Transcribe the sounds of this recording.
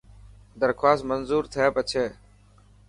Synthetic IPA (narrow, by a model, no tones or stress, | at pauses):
d̪əɾkʰwaːst̪mənzuːɾt̪ʰeːpət͡ʃʰeː